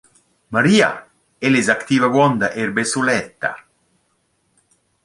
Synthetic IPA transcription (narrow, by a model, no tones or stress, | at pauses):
maɾiːa̰ | elezakt̪iːvaɡwɔnd̪aʔeɾbesulɛt̪ːa̰